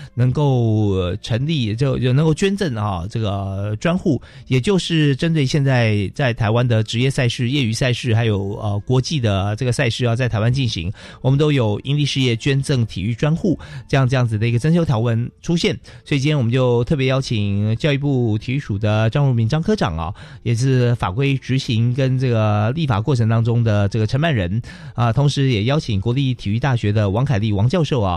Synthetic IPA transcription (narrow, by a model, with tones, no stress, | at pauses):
nɤ˧˥ŋko˥˩ʊʈ͡ʂʰə˧˥ŋli˥˩o˥˧˥nə˧ŋko˥˩t͡ɕɥɛ˥nt͡sə˥˩ŋɐ˩ʈ͡ʂɤ˥˩ɡə˩ʈ͡ʂwa˥nxu˥˩ | jɛ˨˩t͡ɕjo˥˧ʊʂɻ̩˥˩ʈ͡ʂə˥nt̪we˥˧ɪɕjɛ˥˧nt͡sa˥˧ɪt͡sa˥˩ɪt̪ʰa˧ɪwa˥nd̪ə˨ʈ͡ʂɻ̩˧˥jɛ˥˧sa˥˧ɪʂɻ̩˥˧jɛ˥˩y˧˥sa˥˧ɪʂɻ̩˥˩xa˧˥ɪjo˨˩ʊə˧kwɔ˧˥t͡ɕi˥˩d̪ə˩ʈ͡ʂɤ˥˩ɡə˩sa˥˧ɪʂɻ̩˥˩ə˧˩t͡sa˥˩ɪtʰa˧˥ɪwa˥nt͡ɕi˥˩nɕḭ˧˥ŋ | wɔ˨˩mə˦nt̪o˥ʊjo˨˩ʊi˥nli˥˧ʂɻ̩˥˧jɛ˥˩t͡ɕɥɛ˥nt͡sɤ˥˩ŋt̪ʰḭ˨˩y˥˩ʈ͡ʂwa˥nxu˥˩ʈ͡ʂɤ˥˧jɑ˥˧ŋʈ͡ʂjɑ˥˩ŋd͡zɹ̩˩d̪ə˩i˥ɡə˧ʈ͡ʂə˥nɕjo˥ʊt̪ʰjɑ˧˥wə˥˩nʈ͡ʂʰu˥ɕjɛ˥˩n | swɔ˧˥i˨t͡ɕi˥jɛ˥wə˦nt͡ɕjo˥˧ʊt̪ʰɤ˥˩pjɛ˧˥jɑ˥ʊt͡ɕʰi˨˩ŋt͡ɕjʊi˥pu˥˩t̪ʰi˨˧˥y˥˩ʂu˨˩d̪ə˦ʈ͡ʂɑ˥˧ŋɻu˥˩mi˧˥nʈ͡ʂɑ˥ŋkʰɤ˥ʈ͡ʂɑ̰˨˩ŋɐ̰˨˩jɛ˨˩ʂɻ̩˥˩fa̰˨˩kwe˥ɪʈ͡ʂɻ̩˧˥ɕi˧˥ŋkə˥nʈ͡ʂɤ˥˩ɡə˩li˥˩fa̰˨˩kwɔ˥˩ʈ͡ʂʰɤ˧˥ŋt̪ɑ˥ŋʈ͡ʂʊ˥ŋd̪ə˨ʈ͡ʂɤ˥˩ə˩ʈ͡ʂʰə˧˥nma˨˩nɻə˧˥n | ə˧t̪ʰʊ˧˥ŋʂɻ̩˧˥jɛ˨˩jɑ˥ʊt͡ɕʰi˨˩ŋkwɔ˧˥li˥˩t̪ʰi˨˩y˥˧t̪a˥˩ɕɥɛ˧˥d̪ə˧wɑ˧˥ŋkʰa˨˩ɪli˥˩wɑ˧˥ŋt͡ɕjɑ˥˧ʊʂo˥˩ʊɐ̰˩